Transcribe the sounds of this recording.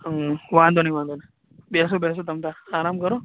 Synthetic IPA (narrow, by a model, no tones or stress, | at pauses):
ʋãːnd̪onaʋaːnd̪on | bɛsobɛs̬ot̪ɐmt̪aaːɾaːmkɐɾo